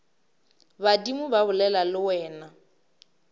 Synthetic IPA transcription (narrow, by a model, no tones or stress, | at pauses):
badimʊbabʊlɛlalɪwɛːna